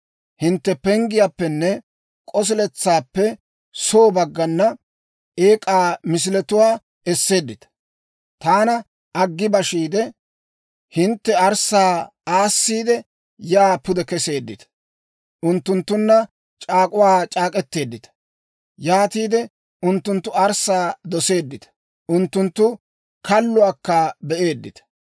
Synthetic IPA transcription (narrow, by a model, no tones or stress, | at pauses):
hɪnt̪ːɛpɛŋɡɪjapːɛnːɛ | kʼɔs̬ɪlɛt͡sːaːpːɛ | soːbɐɡːɐnːɐ | eːkʼaːmɪs̬ɪlɛt̪ʊwaː | ɛsːe̞ːd̪ːɪt̪ɐ̥ | t̪aːnɐ | ʔɐɡːɪbɐʃiːd̪ɛ | hɪnt̪ːɛɐɾsaːaːsːiːd̪ɛ | jaːpʊd̪ɛkɛse̞ːd̪ːɪt̪ɐ̥ | ʔʊnt̪ːʊnt̪ːʊnːɐ | t͡ʃʼaːkʼʊwaːt͡ʃʼaːkʼɛt̪ːe̞ːd̪ːɪt̪ɐ̥ | jaːt̪iːd̪ɛ | ʔʊnt̪ːʊnt̪ːʊɐɾsaːd̪ɔse̞ːd̪ːɪt̪ɐ̥ | ʔʊnt̪ːʊnt̪ːʊ | kɐlːʊaːkːaːbɛʔe̞ːd̪ːɪt̪ɐ̥